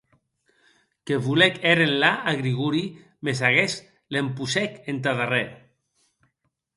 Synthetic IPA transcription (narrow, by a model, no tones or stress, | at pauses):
keβulekeɾenlaaɣɾiɣuɾi | mesaɣes | lempusekent̪aðareɾ